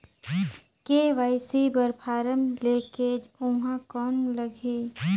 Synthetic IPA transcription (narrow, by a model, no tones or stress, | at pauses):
keʋaɪsibəɾpʰaːɾəmleːked͡ʒʊɦãkɔːnləɡʱe